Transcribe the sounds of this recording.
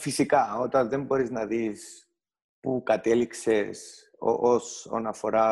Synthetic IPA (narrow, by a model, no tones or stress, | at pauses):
fisikɐot̪ɐnðe̞mbo̞ɾiznɐðis | pukɐt̪elikse̞s | o̰ʔoso̰nɐfo̞ɾɐ